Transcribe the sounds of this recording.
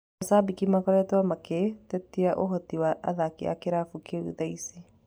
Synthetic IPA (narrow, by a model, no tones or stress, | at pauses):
asabikimakɔɾɛt̪wamaket̪ɛt̪ːiaʔoɦɔt̪iwaʔa̰ðakia̰kɪɾafukeṵðaise